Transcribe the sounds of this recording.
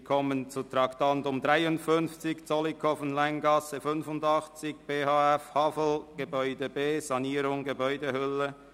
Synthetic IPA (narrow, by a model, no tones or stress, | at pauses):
kʰɔmənt͡sutɾɑktantʊmdʁaɪʊntfʏnft͡sɪçt͡sɔlikʰɔfn̩laɪnɡɑsəfʏnfʊndɑχt͡sɪçb̥eːhɑːɛfhɑfl̩ɡ̥əbɔʏdəbeːzɑniːɾʊŋɡəbɔʏdəhʏlə